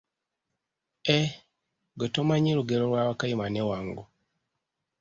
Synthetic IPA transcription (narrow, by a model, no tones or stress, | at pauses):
e | ɡetomaɲiɾuɡeɾoɾwaːwakajimanewaːŋɡu